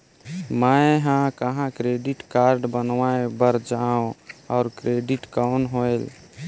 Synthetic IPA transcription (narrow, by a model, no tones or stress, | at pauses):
maeɦãkəɦãkɾeɖiʈkaɾɖbənʋaebəɾd͡ʒaõɔ̰ʊɾkɾeɖiʈkəwnɦojl